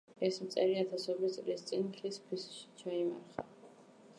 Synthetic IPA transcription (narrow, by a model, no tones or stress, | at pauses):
ɛsmt̪sʼɛɾiat̪ʰasɔbit̪sʼlist̪sʼinχispʰisʃi̥t͡ʃʰaima̰ɾχa̰